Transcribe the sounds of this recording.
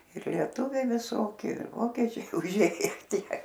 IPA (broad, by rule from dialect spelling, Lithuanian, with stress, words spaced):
ɪr lʲiɛˈtʊʋʲɛɪ ʋʲɪˈsoːkʲɪ ɪr ˈʋoːkʲɛt͡ʃʲɛɪ ʊˈʒʲeːjɛ ˈtʲiɛ